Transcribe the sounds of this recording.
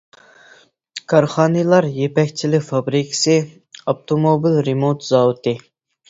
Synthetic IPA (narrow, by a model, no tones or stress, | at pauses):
kʰɑɾχɑːnɨlˠɑɾjepɛkʲt͡ʃʰilɪfɑbɾikʰɪ̥sɨ | ɑp̚t̪ʰomobilɾemot̪zɑːwut̪ɨ